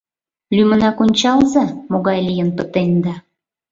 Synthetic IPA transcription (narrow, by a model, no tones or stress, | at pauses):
lymə̆nɑkonʲt͡ɕɑlzɑmoɣɑjlʲijənpət̪end̪ɑ